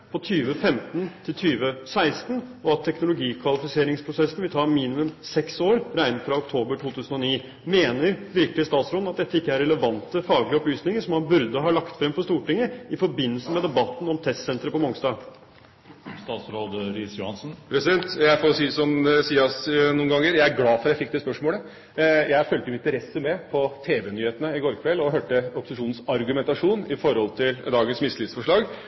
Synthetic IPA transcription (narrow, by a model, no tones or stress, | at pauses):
pʰɔt̪ʰyːʋəfɛmt̪nt̪ʰɪlt̪ʰyːʋəsæɪst̪ənɔɑt̪ʰːɛknʊlʊɡiːkʰʋɑlɪfɪseːɾɪŋspʰɾʊsɛsn̩ʋɪlt̪ʰɑːɾmiːnɪmʉmsɛksoːɾɾæɪnəfɾɑʊkt̪ʰoːbəʈʰuːt̪ʰʉːsən̩ɔniː | meːnəɾʋɪɾklɪəst̪ɑːt̪sɾoːd̪ɑt̪̚d̪ɛt̪ːəɪkːəæɾɛləʋɑnt̪əfɑːɡlɪəɔplyːsnɪŋəʂɔmhɑnbʉɾd̪əɦɑɭɑkt̪fɾɛmpɔst̪uːʈɪŋːəɪfɔɾbɪnːəlsəmɛd̪ɛbɑt̪ːn̩ɔmt̪ʰɛst̪sɛnt̪ɾəpɔmɔŋst̪ɑː | st̪ɑːt̪sɾoːd̪ɾɪːsjʊhɑnsn̩pʰɾɛsɪd̪ɛnt̪jæɪfoːɾsiːsɔmsiːɑsnuːnɡɑŋːəɾjæɪæɾɡlɑːfɔɾɑjæɪfɪk̚ːd̪ɛspœʂmoːlə | jæɪfœlt̪əɪɪt̪əɾɛsːəmɛpʰɔt̪ʰeːʋɛnyːheːt̪ənəɪɡoːɾkʰʋɛlɔɦøːʈəɔpɔ̥sɪʂuːnn̩sɑɾɡʉmɛnt̪ɑʂuːnɪfɔɾɔlt̪ʰɪld̪ɑːɡənsmɪslɪt̪sfɔʂɭɑːɡ